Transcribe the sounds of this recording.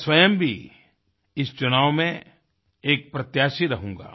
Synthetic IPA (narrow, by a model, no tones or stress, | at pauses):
swɐjəmbʱḭ | ɪst͡ʃʊnaːʋmẽ | eːk̚pɾɐt̪jaːʃiɾɐɦũːŋɡa̰ː